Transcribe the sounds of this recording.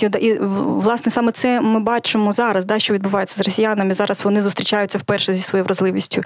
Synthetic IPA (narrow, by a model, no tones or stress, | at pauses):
id̪ʔiʋlˠɑsnɛsɑmɛt̪sɛmɪbɑt͡ʃɪmɔzɑɾɐsd̪ɑʃt͡ʃɔʋʲid̪̚bʊʋɑjet͡sʲːɐzrɔsʲijanɐmɪizɑɾɐsʋɔnɪzʊst̪ɾʲɪt͡ʃajʊt͡sʲːɐwpɛrʃɛzʲisʋɔjijʋɾɐzlˠɪʋʲisʲtʲʊ